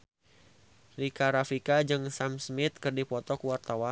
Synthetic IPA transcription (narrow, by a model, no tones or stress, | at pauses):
rikaɾafikad͡ʒɨŋsamsmɪt̪̚kɨrdipɔt̪ɔkuwart̪awa